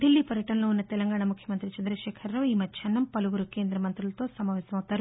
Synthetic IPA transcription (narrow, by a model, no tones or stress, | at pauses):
d̪ilːiːpɐɾjɐʈɐnɐlo̞ːunːɐt̪ɛlɐŋɡaːɳamukʰjɐmɐnt̪ɾit͡ʃɐnd̪ɾɐʃɛːkʰɐɾːɐʋiːmɐt͡ʃʰɐnːɐmpɐluɡuɾuke̞ːnd̪ɾɐmɐnt̪ɾulɐt̪o̞ːsɐmaːʋɛːsɐmɐwut̪aːɾu